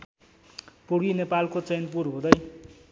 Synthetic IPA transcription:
poɽinepalkot͡sejnp̬uɾɦũd̪ʌj

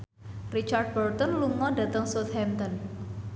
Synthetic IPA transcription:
rit͡ʃard̪̚bɔrt̪ɔnluŋɔɖa̤t̪əŋsot̪hɛmt̪ɔn

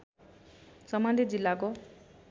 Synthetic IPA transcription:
sʌmand̪id͡zilːako

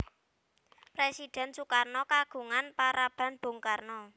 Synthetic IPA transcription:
pɾesid̥ɛ̤nsukarnɔkaɡ̥ṳŋanpaɾab̥a̤nb̥o̤ŋkarnɔ

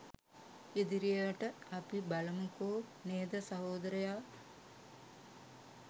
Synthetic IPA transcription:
ed̪iɾijeʋəʈəɐpibɐlɐmukoː | neːd̪ɐsɐɦoːd̪ɐɾɐjaː

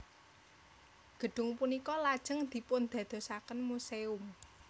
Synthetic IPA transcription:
ɡ̥ə̤ɖ̥ʊ̤ŋpunikɔlad̥ʒ̥əŋd̪̥i̤pʊnd̪̥ä̤d̪̥o̤sakənmuseʊm

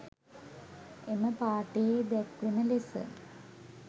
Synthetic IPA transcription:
eməpaːʈejed̪ɛkʋunəlesə̰

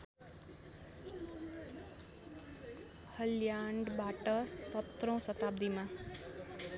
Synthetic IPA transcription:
həljaɳɖbaːʈʌsʌt̪ɾõw̃sʌt̪aːbd̪imã

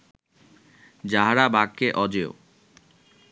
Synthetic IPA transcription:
d͡ʑaɦaɾabʱaɡ̚keʔɔd͡ʑeo̰

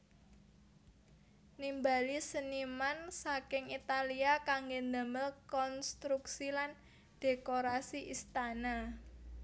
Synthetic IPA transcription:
nimbalisənimansakɪŋit̪aliakaŋɡendəməlkɔnst̪ɾuksilan | d̥e̤koɾasiʔist̪ana

